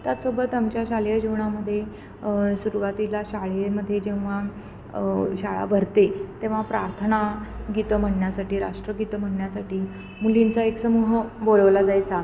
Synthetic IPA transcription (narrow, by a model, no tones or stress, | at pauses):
t̪jat̪sobət̪amt͡ɕjaɕaljəd͡ʑiʋɳaməd̪ʱːje | suɾuʋat̪ilaɕaɭeməd̪ʱːjed͡ʑeʋʋa | ɕaɭa̰bʱəɾt̪et̪eʋ̤apɾaɾt̪ʰənaɡit̪əm̤əɳjasaʈiːɾa̰ʂʈɾəɡit̪əm̤əɳɳjasaʈiː | mulint͡saeksəmuɦəboləʋlad͡zajt͡sa